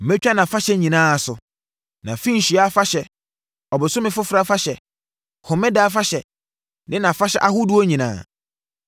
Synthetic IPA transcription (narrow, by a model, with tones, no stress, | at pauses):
m̩˨mɛ̃˦t͡ɕᶣa˦nã˨fa˦ɕɛ˨˦ɲĩ˨nãː˦a˨sʊ˨ | nã˨fĩ˦ɲ̩˨ɕi˨a˦fa˦ɕɛ˨ | ɔ˨bɪ˨sʊ˦mɪ̃˦fʊ˦fɾa˦fa˦ɕɛ˨ | hʊ˨mɛ̃˦da˦fa˦ɕɛ˨ | nɪ̃˦nã˨fa˦ɕɛ̰˦ʔa˦ɦʊ˦du˦o˦ɲĩ˨nã̰ː˦˨